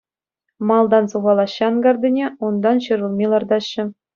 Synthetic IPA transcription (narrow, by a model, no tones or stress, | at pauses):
mɑlˠd̪ɑnsuʁɑlˠɑɕːɑɑnɡɑrd̪ʲɘ̆nʲeund̪ɑnɕɤ̆ɾŭlˠmʲilˠɑrd̪ɑɕːɘ̆